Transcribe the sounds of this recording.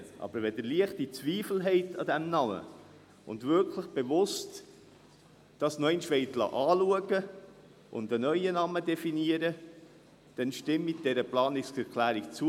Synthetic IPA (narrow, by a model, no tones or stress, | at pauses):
ʔɑ̰b̥əɾʋɛdəliəχtit͡sviːfl̩ɦɛɪtɑd̥æmnɑmə̰ | ʊ̰ndvʏɾkləχb̥evʊst | d̥ɑsnɔɛɪnʃʋɛɪtlɑ̰ʔɑːluəɡə | ʔʊ̰ndənœʏənɑmədɛfiniəɾə | d̥ɛnʃtɪmːid̥ɛɾəplɑːnɪskɛɾkʰlæːɾikt͡su